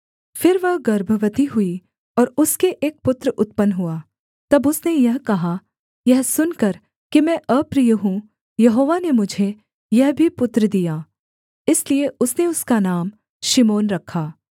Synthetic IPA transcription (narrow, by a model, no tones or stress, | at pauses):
fɪɾʋɐɦɡɐɾbʱəʋət̪iɦʊi | ɔːɾʊskeʔeːk̚pʊt̪ɾəʊt̪pənɦʊaː | t̪ɐbʊsnejɐɦkɐɦa | jɛɦsʊnkɐɾ | kimɛ̃ːʔɐpɾiːjɦũ | jɐɦoːʋanemʊd͡ʒʱe | jɛɦbʱipʊt̪ɾd̪ijaː | ɪslieʊsneʊskanaːm | ʃimoːnɾɐkʰːaː